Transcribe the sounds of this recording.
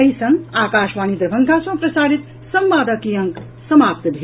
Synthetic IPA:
əɦisʌŋakaːʃʋanid̪ɾbʱʌŋɡʰʱasʌ̃pɾʌsaɾit̪ | sʌmbaːd̪ʌkijʌŋk | sʌmap̚t̪b̪ʱe

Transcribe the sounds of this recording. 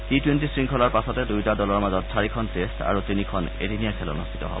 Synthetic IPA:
titwentisɹiŋkʰɔlaɹpasɔtɛdujtadɔlɔɹmazɔtsʰaɹikʰɔntestʰa̰ɹutinikʰɔnḛdʱinijakʰɛlɔ̰nustʰi̥tɔ̰ɦɔ̰bɔ

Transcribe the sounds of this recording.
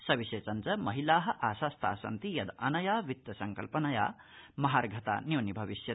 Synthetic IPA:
sɐbiset͡sɐnt͡sɐmɐɦilaːɦɐʔaːsast̪ʰa̰ːsɐ̰nt̪ijɐd̪ɐnɐjaːʋit̪jɐsɐŋkɐ̰lpɐnɐja̰ː | mɐɦaɾɡʱɐt̪a̰newnibʱɐʋisjɐ

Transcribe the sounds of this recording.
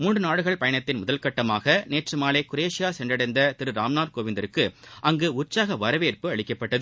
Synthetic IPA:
muːnɳɖrɯnaːɽɯɣɐɭpɐjɐɳɐt̪ːɪnmʊðɐlkɐʈːɐmaːɣɐneːʈrɯmaːleːkʊɾeːʂɪjaːsɛndrɐɽɐɪnd̪ɐt̪ɪɾɯɾaːmnaːɾkoːʋɪnd̪ɐɾɯkːɯʔɐŋɡɯʊsaːɣɐʋɐɾɐʋeːrpɯɐɭɪkːɐpːɐʈːɐðɯ

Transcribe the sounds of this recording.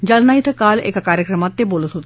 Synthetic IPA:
d͡ʒəlnaːit̪ʰəkaːlḛkkaːɾjəkɾəmãt̪ːeboːlət̪ɦoːt̪ː

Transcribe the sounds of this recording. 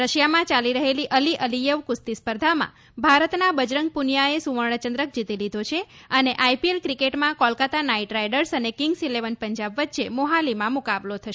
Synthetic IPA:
ɾəʃjamãt͡ʃaliɾəɦeliʔəliʔəlijəʋkust̪ispəɾd̪ʱamã̰ | bʱaɾət̪nabəd͡ʒɾəŋɡ̚punjaesuʋəɾɳ̃ət͡ʃənd̪ɾək̚d͡ʒit̪ilid̪ʱot͡ʃʰeəneʔajpielkɾikeʈmãkɔlkat̪anaiʈɾajɖəɾsənekɪŋɡsileʋənpəɲd͡ʒabʋətːʃemoɦalimãmukablot̪ʰəʃ

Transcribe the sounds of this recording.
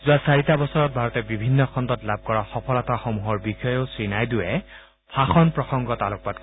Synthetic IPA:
zʊasaɹitabɔsɔɹɔt̚bʱaɹɔtɛbibʱinːɔkʰɔndɔtlab̚kɔɹaxɔpʰɔlataxɔmuɦɔɹbixɔjoʊsɹinajdʊɛ | pʰaxɔnpɹɔxɔŋɡɔtalok̚pat̚k

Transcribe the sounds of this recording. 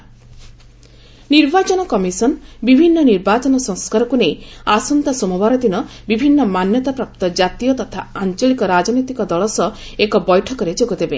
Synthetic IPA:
niɾbat͡ʃɔnɔkɔmisɔnbibʱinːɔniɾbat͡ʃɔnɔsɔŋskaɾɔkunejasɔnt̪asɔmubaɾɔd̪inɔbibʱinːɔmanjɔt̪apɾap̚t̪ɔd͡ʒat̪ijɔt̪ɔt̪ʰaant͡ʃɔlikɔɾad͡ʒɔnit̪ikɔd̪ɔɭɔsɔ | ekɔbɔjʈʰɔkɔɾed͡ʒoɡud̪ebe

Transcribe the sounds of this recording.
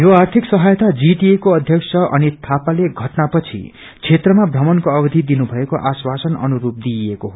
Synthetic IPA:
joart̪ʰiksʌɦajt̪ad͡zit̪iekoʌd̪ʱjʌksʰʌʔʌ̰nit̪ʰapaleɡʱʌʈnapʌt͡sʰḭ | t͡sʰet̪rʌmabʱrʌmʌnkoʌbʌd̪ʱid̪inubʱʌekoʔaswasʌnʌ̰nuɾup̚d̪iekoɦo

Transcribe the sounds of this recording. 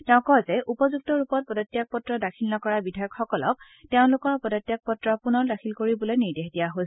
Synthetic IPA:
tɛʊ̃kɔzɛʔupɔzuk̚tɔɹupɔt̚pɔdɔtːjak̚pɔtɹɔdakʰilnɔkɔɹabidʱajɔkxɔkɔlɔk̚ | tɛʊ̃lʊkɔɹpɔdɔtːjak̚pɔtɹɔpunɔɹdakʰilkoɹibɔlojniɹdexdijaɦojs

